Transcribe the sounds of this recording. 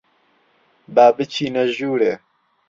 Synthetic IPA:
baːbɨt͡ʃʰiːnɐʒuːɾeː

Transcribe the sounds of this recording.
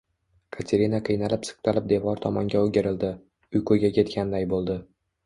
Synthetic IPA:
kʰat̪ʰeɾinaqʰɨjnalɪpsɨ̥q̚t̪ʰalɪp̚d̪e̞vɒɾt̪ʰɒmɒŋɡʲaoɡʲeɾɪld̪ɪ | ʊjkʰɵjɡʲakʲʰe̞t̪kʲʰand̪ajbolˠd̪ɪ

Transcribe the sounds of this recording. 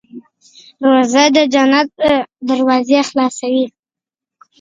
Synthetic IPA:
ɾozad̪əd͡ʒanat̪̚d̪əɾwɑzexlɑsawi

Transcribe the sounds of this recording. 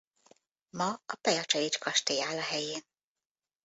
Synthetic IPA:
mɒɒpɛjɒt͡ʃɛjet͡ʃkɒʃt̪ejaːlɒɦɛjeːn

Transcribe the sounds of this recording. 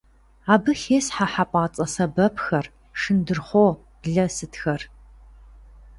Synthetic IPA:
aːbɨxeːsħaħapʷʼɑːt͡sʼɐsɐbɐpʰxɐr | ʂɨndɨrχʷoː | ɮɐsɨtʰxɐr

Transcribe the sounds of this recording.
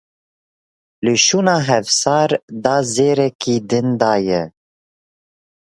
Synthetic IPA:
lɨʃuːnɑːɦɛvsɑːɾd̪ɑːzeːɾɛkʰiːd̪ɨnd̪ɑːjɛ

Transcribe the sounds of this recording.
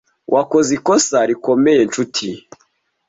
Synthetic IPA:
wʔakozikosaɾiko̞meje̞nt͡ʃutʰi

